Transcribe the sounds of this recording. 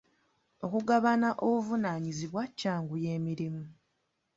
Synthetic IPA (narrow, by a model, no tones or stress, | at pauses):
o̞kuɡaβanaʔoβuvunaːɲiziβwacːaːŋɡuje̞ːmiɾimu